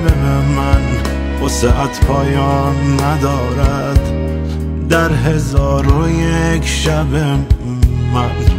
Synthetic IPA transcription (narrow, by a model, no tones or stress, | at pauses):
bebemæn | oseʔæt̪ʰpʰɒːjɒːnːæd̪ɒːɾæ | d̪ː | æɾɦezɒːɾojekʲʰʃæbe | mæ